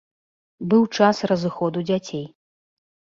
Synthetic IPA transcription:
bɨwt͡ʂasrɐzɨxɔd̪ud͡zʲat͡sʲej

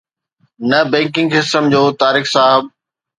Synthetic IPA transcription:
nɐbɛ̃ːŋkɪ̃ŋɡɦɪsəmd͡ʑoːt̪aːɾiːxsaːɦɪb̚

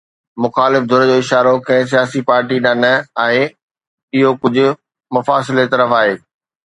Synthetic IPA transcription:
mʊxaːlɪfd̪ʱʊɾed͡ʑoːɪʃaːɾokɐ̃ɦɪ̃s̬ijaːsipaːɾʈiɗanəaːɦe | ɪɦokʊd͡ʑʱʊ̆ | mʊfaːsɪlet̪ɐɾəfaːɦeː

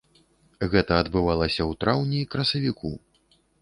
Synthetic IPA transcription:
ɣɛt̪ɐːd̪bɨvalˠɐsʲɐwt̪ɾawnʲiːkɾɐsɐvʲikʰṵ

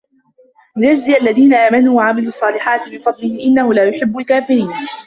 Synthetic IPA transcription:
lɪðad͡ʒzɪʔalːaðiːnaʔaːmanuːwaʕamɪd̪ʊɑsˤːɑːlɪħaːt̪ɪbɪfɑd̪ˤlɪhɪʔɪnːahʊlaːjʊħɪbːʊlkaːfɪɾiːn

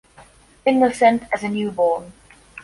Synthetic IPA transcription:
ɪ̃nwəl̥sɛ̃ntəzənjʉːbɔːn

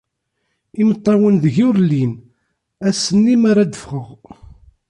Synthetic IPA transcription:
imət̪ˤːɑwənðəʝuɾlːin | æsənːimaɾad̪əfχəʁ

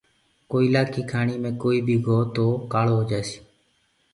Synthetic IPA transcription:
koːiːlaːkʰiːkʰaːɳiːmẽːkoːiːbʱiːɡʱoːt̪oːkaːloːɦod͡ʒaːsi̥ː

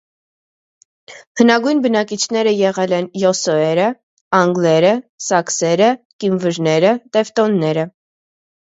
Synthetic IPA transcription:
hənɑɡujnbənɑkit͡ʃʰnɛɾəjɛʁɛlɛnjɔsɔɛɾə | ɑŋɡlɛɾəsɑksɛɾə | kimvəɾnɛɾət̪ɛft̪ɔnːɛɾə

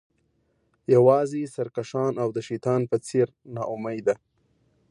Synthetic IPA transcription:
jawɑzisaɾkaʃɑnawd̪əʃit̪ɑnpət͡seɾnɑʔʊmajd̪a

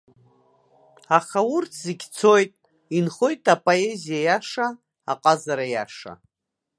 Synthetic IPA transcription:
aχaurtʰz̥iɡʲt͡sʰo̞jtʼ | inχo̞jtʼʰapʼoe̞zijajaʂaː | qʼazaɾajaʂa̰

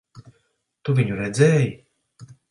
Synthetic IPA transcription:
t̪uvʲiɲuɾɛd̪zɛːji

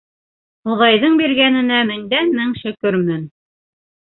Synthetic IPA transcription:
uðɑjðɤɴbiɾɡænɘ̆næmɘ̆ŋd̪ænmɘŋʃɵ̆kɵɾmɘn

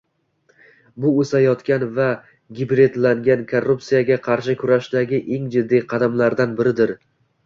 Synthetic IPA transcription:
bʊɵsajɒt̪kʲanva | ɡʲɪbɾe̞d̪laŋɡʲankʰorːʊp̚tsijaɡʲaqʰɑɾʃɪkʲʰʊɾaʃd̪aɡʲɪʔe̞ŋd͡ʒɪd̪ːijqʰɑd̪amlaɾd̪anbɪɾɪd̪ɪɾ

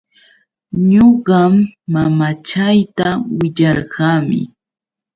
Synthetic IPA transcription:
ɲoɢɑmːamat͡ʃajt̪awɪʎɑɾɢɑːmɪ̰

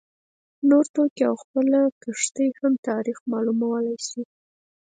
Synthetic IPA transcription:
noɾt̪okiawxpəlakəʂt̪əjhamt̪ɑɾixmɑlumawəlajsi

